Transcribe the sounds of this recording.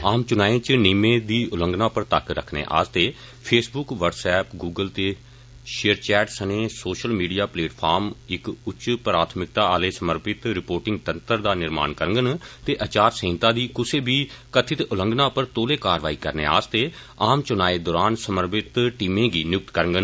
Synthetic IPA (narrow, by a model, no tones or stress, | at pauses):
aːmt͡ʃʊnaːẽːt͡ʃnimẽːd̪iːʔʊlə̃ŋɡnãːpəɾt̪əkɾə̰kʰnḛːʔa̰ːst̪eː | pʰeːsbʊkʋəɖsɛːpɡuːɡəlt̪eː | ʃeːəɾt͡ʃɛːʈsənẽːsoːʃəlmiːɖijaːpleːʈpʰaːɾmɪkʊt͡ʃpɾaːt̪ʰmɪk̚t̪ãːaːleːsəməɾpɪt̪ɾɪpoːɾʈɪ̃ŋɡt̪ənt̪əɾd̪aːnɪɾma̰ːnkəɾəŋɡənt̪eːʔət͡ʃaːɾsẽːnt̪ãːd̪iːkʊsʰeːbiːkət̪ʰɪt̪ʊləŋɡnãːpəɾt̪oːleːkaːɾʋaːiːkəɾnḛːa̰ːst̪eː | aːmt͡ʃʊnaːeːd̪ɔːɾaːnsəməɾpɪt̪ʈiːmẽːɡiːnjʊk̚t̪kəɾəŋɡən